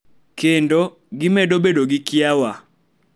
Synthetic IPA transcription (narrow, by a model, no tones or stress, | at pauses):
kendo | ɡɪmedobedoɡɪkjawa